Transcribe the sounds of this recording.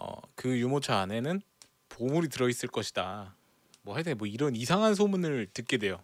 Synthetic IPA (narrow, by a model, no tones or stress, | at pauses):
ʌ̰kɯjumot͡ɕʰaːne̞nɯn | pomuɾitɯɾʌis͈ɯɭk͈ʌɕʰi̥da | mwʌhaɭt͈emwʌiɾʌnisʰaŋɦans̬ʰomunɯɭtɯt̚k͈e̞de̞jo